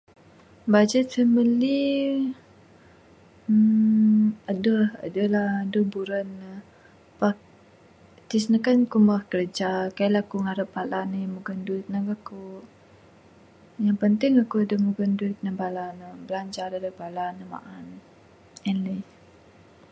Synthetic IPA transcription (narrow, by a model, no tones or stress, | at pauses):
bad͡ʒət̪̚səməli | ədəhə̰dəlahdəbuɾənːə | pak | t̪isnəkankumahkərd͡ʒakajlakuŋaɾəpalanəjamuɡənduit̪̚nəkaku | jaŋpənt̪ɪŋakuadəhmuɡəndut̪̚nəbalanəbəlaɲd͡ʒadadəbalanəma̰ʔan | ɛnlə